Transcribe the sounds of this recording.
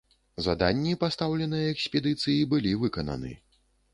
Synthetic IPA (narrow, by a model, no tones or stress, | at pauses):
za̰d̪anʲːipast̪awlʲɛnɨjɐɛksʲpʲɛd̪ɨt̪sɨjibɨlʲivɨkɐnɐ̰nɨ̰